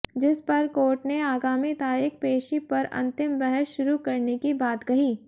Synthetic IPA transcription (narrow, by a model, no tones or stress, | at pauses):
d͡ʒɪspɐɾkoːʈneaːɡaːmit̪aːɾiːkpeːʃipɐɾɐ̰̃nt̪ɪmbɛɦɛsʃʊɾukɐɾnekibaːt̪kɐɦiː